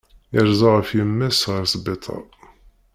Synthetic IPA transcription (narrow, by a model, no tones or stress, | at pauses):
əɾzˤɑʁəfjəmːæsʁəɾsˤbet̪ˤʰɑ̰